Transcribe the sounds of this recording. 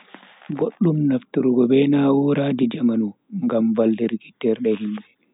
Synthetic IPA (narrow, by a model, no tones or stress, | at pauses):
ɡoɗːumnaftuɾuɡɔbɛnawɔɾaːd͡ʒid͡ʒamanu | ŋɡamvaldɛɾɡitːɛɾɗɛhimɗɛ